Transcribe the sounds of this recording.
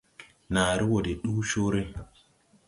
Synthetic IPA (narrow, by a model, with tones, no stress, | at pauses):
na˨ɾi˦wo˨de˨ɗu˦ʃo˦ɾe˦